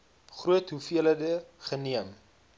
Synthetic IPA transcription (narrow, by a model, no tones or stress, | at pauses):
χruətɦufiələdəχəniəm